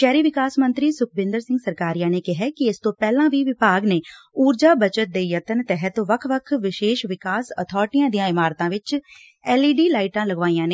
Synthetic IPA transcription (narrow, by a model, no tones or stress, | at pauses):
ʃɛːɾiːʋɪkaːsmənt̪ɾiːsʊkʰbɪ̃nd̪əɾsɪ̃ŋɡsəɾkaːɾijãːneːkɪɦɛːkɪɪst̪õːpɛːlãːʋiːʋɪbaːɡneːuːɾd͡ʒaːbət͡ʃət̪̚d̪eːjət̪ənt̪ɛɦət̪ʋəkʰʋəkʰʋɪʃeːʃʋɪkaːsə̰t̪ʰɔːʈijãːd̪ijãːɪmaːɾt̪ãːʋɪt͡ʃ | ɛːliːɖiːlaːiʈãːləɡʋaːĩjãːneː